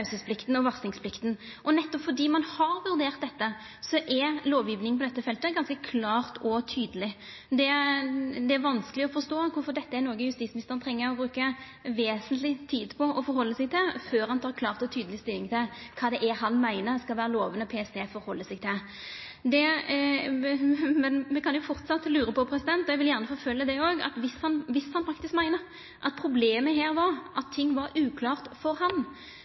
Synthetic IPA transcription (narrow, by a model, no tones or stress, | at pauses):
ʉsəspʰlɪkt̪n̩ɔʋɑʁsɪŋspʰlɪkt̪n | ʔɔnɛt̪ːɔpfɔd̪iːmɑnhɑɾʋʉɾd̪eːʁt̪̚d̪ɛt̪ːə | sɔʔɛloːʋjiːʋnɪŋnp̬ʰɔd̪ɛt̪ːəfɛlt̪əɡɑnskəkʰlɑːʁt̪ʰɔt̪ʰyːd̪əlɪ | d̪ɛ | d̪ɛæɾʋɑnskəlɪɔfɔɾst̪oːkʊɾfɔɾd̪ɛt̪ːəæɾnoːɡəjʉst̪iːsmɪnɪst̪əʁənt̪ʰɾɛŋːəɾɔbɾʉːkə | ʋeːsənt̪lɪt̪ʰiːd̪pʰɔɔfɔɾhɔlːəsɛɪɡ̚t̪ʰɪlføːɾhɑnt̪ʰɑːɾkʰlɑːʁt̪ɔt̪ʰyːd̪əlɪst̪ɪlːɪŋt̪ʰɪlkʰɑːd̪ɛʔɛhɑnmæɪnəskɑlʋæːɾəloːʋənəpʰeːɛst̪ʰeːfɔɾhɔlːəsɛɡt̪ʰɪl | d̪ɛ | mɛnmɛkʰɑnjʊfɔʁt̪sɑt̪ːlʉːɾəpɔpʰɾɛsɪd̪ɛnt̪ɔɛɡʋɪljæːʁnəfɔɾfœlːəd̪ɛoːɡɑ̰t̪ʋɪshɑnʋɪshɑnfɑk̚t̪ɪskmæɪnə | ʔɑt̪̚pʰɾʊbleːməɦeːɾʋɑɾʔɑt̪ʰːɪŋːʋɑɾʉːkʰlɑːʁt̪fɔɾhɑn